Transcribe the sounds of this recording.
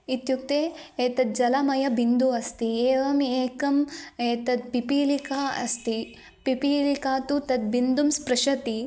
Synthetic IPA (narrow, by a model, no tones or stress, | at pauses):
it̪juk̚t̪eːeːt̪ɐt̪̚d͡ʒɐlɐmɐjɐbind̪uɐst̪ieːʋɐmeːkɐmeːt̪ɐt̪̚pipiːlikaːɐ̰st̪i | pipiːlikaːt̪ut̪ɐd̪̚bind̪umspɾɐʃɐt̪i